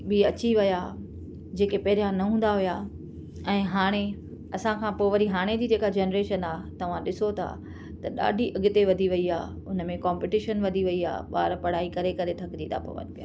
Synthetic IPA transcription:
bɪɐt͡ɕiʋɐja | d͡ʑeːkepɐɦɪɾijãnɐɦũːn̆d̪aɦʊjaː | ɛ̃ːɦaːɽ̃e | ɐsãkʰãːpoːʋɐɾiɦaːɽ̃ed͡ʑiːd͡ʑeːkad͡ʑeːnɾeːʃənaːt̪ɐʋ̤ãɗɪsot̪ʰa̰ | t̪ɐɗa̰ːɖʱiʔɐɠɪt̪eʋɐd̪ʱiʋɐiaː | ʊnəmẽkãːmpɪʈɪʃənʋɐd̪ʱiʋɐia̰ːɓa̰ːɾpɐɽ̤aːikɐɾekɐɾet̪ʰɐkd͡ʑit̪ʰa̰po̰ːʋə̰npɪjaː

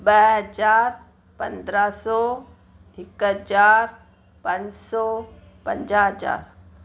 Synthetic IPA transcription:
bɛɦəd͡ʒaːɾ | pə̰̃nd̪ɾasɔ | ɪkd͡ʒaːɾ | pə̃ɲd͡ʒsɔ | pə̰̃ɲd͡ʒaɦəd͡ʒa̰ːɾ

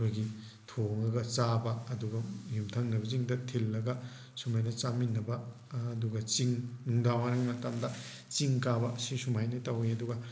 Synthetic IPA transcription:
ojɡi | tʰoŋlɐɡɐt͡ʃabɐːduɡɐjumtʰɐŋnɐbɐziŋdɐtʰilːɐɡɐ | sumajnɐt͡ʃaminːɐbɐ | duɡɐt͡ʃiŋuŋdawanɐŋmɐtamdɐ | t͡ʃiŋkabɐsisumajnɐtawiɐduɡɐ

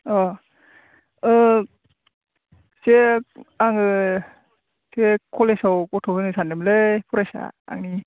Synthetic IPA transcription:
ɔ | ɯ | seaŋɯ | sekʰɔlesawkɔtʰɔwɯnɯsʰanɯmlepʰuɾajsa̰a̰ŋni

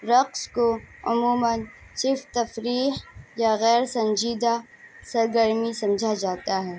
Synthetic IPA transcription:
ɾɐqskoʊ̰muːmənt͡ʃɪft̪ɐfɾiːɦjaɣɛːɾsɐ̃ɲd͡ʒiːd̪a | sɐɾɡəɾmisɐ̃md͡ʒʱad͡ʒaːt̪aɦɛː

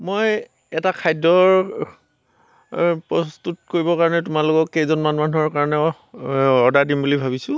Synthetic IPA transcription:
moj | ɛtakʰajdɔɹ | pɹɔstutkoɹibɔkaɹɔnɛtʊmalʊkɔkːejzɔnmanumanuɦɔɹkaɹɔnɛ | ɔdadimbulibʱabisʊ̃

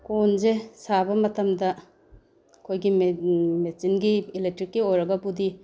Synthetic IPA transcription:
konzesabɐmɐtɐmdɐ | kʰojɡimesinɡiːlek̚tɾikːiojɾɐɡɐbudi

